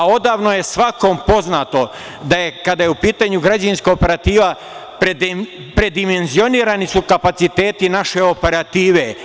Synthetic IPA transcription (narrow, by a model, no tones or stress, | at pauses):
ao̞d̪aːʋnoje̞sʋako̞mpo̞znaːt̪o̞ | d̪aje̞kad̪ajeupiːt̪aɲuɡɾad͡ʑainskoope̞ɾat̪iːʋa | pɾe | pɾe̞d̪ime̞nzio̞niːɾanisukapat̪sit̪e̞ːt̪inaʃe̞o̞pe̞ɾat̪iːʋe